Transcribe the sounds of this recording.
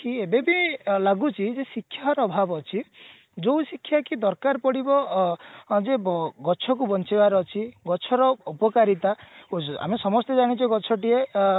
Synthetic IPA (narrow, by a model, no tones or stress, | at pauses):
kiebebilaɡut͡ʃʰid͡ʒesikʰːjaɦɔɾɔːbʱabɔt͡ʃʰi | d͡ʒowsikʰːjakid̪ɔɾkaɾpɔɽibɔ | d͡ʒebɡɔt͡ʃʰɔkubɔnt͡ʃibaɾɔt͡ʃʰiɡɔt͡ʃʰɔɾɔɔpɔkaɾit̪aoa̰mesɔmɔst̪ɔd͡ʒaɽ̃it͡ʃʰɔɡɔt͡ʃʰɔʈie